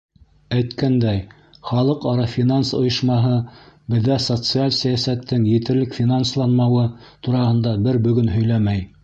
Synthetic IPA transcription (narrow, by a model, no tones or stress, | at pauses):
æjt̪kænd̪æj | χɑlˠɤqɑɾɑfʲinansŏjɤ̆ʃmɑɦɤbɘ̆ðːæsot̪sɨalʲsæjæsæt̪ːɘŋjɘ̆t̪ɘ̆ɾlɘkfʲinanslˠɑnmɑwɤt̪uɾɑhɤ̆nd̪ɑbɘɾbɵ̆ɡɵnɦɵ̆jlæmæj